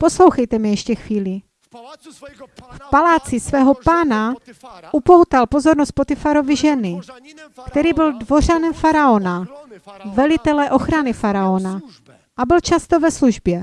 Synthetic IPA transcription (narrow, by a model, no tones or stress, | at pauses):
po̞slo̞wxɛjt̪ɛmɪjɛʃcɛxviːlɪ | fpalaːt͡sɪsvɛːɦo̞paːnaʔupowt̪alpozo̞ɾnost̪̚pot̪ɪfaɾovɪʒɛnɪkt̪ɛɾiːbɪldvo̞r̝anɛmfaɾaona | vɛlɪt̪ɛlɛʔo̞xɾanɪfaɾaona | ʔabɪlt͡ʃast̪ovɛsluʒbjɛ